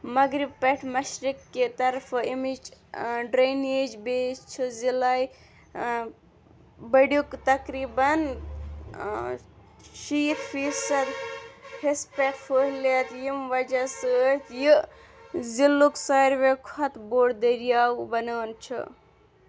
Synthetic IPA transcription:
mɐɡɾib̚peʈʰmɐʃɾikːet̪ɐɾfʰimid͡ʒɖɾened͡ʒbest͡ʃʰɨzilaj | bɐɖjukt̪ɐkɾibɐn | ʃiːt̪fʰisɐd̪hespekfʰoɦlet̪jimʋɐd͡ʒasət̪ji | zilːuksajɾʋekʰɐt̪boːɽd̪əɾijawbɐnəːnt͡ʃʰɨ̰

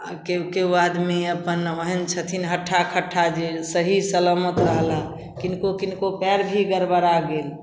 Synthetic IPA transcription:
keukebad̪meəpənoɦənt͡ʃʰət̪ʰinɦəʈʰːakʰəʈʰːad͡ʒesəɦisələmət̪ɾəɦla | kinkokinkopɛɾbʱiɡəɾbəɾaɡel

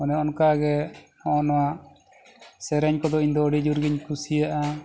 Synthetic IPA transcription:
ɔnɛɔnkaɡɛ | ɔnɔwa | sɛɾɛɲkɔd̪ɔiɲd̪ɔːɽid͡ʒuɾɡiɲkʰusijaʔa

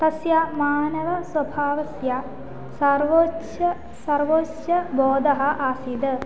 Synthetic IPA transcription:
t̪ɐsjamaːnɐʋɐswɐbʱaːʋɐsja | sɐɾʋoʃɐ | sɐɾʋoːt͡ʃjɐbɔːd̪ɐɦɐ̆ʔaːsid̪

